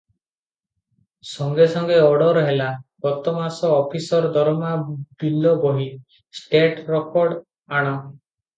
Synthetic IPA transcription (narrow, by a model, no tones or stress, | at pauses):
sɔŋɡesɔŋɡeɔɽɔɾɦelaɡ̥ɔt̪ɔmasɔːpʰisɔɾd̪ʱɔɾmabilːɔbɔɦi | sʈeʈɾɔkɔɾɖ | aɽ̃ɔ